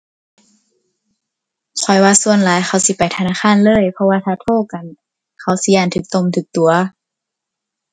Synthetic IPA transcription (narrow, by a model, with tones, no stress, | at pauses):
kʰɔ˨˩jwaː˧su˧ənlaː˨˦jxʰa˧˩wsi˧˦pa˨jt̪ʰa˧naː˧˥˨xʰaː˧˥˨nlɤː˧˥˨jpʰɔ˧waː˧t̪ʰaː˧t̪ʰoː˧˩˨ka˨˩n | kʰa˧˦˩wsi˧˦jaː˧˩nt̪ʰɯː˧˦k̚t̪o˧˨mt̪ʰɯː˨˩˦k̚t̪u˨˦ɐ